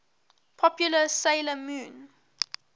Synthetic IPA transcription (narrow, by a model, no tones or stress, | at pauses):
pʰɔpjuləseɪləmũːn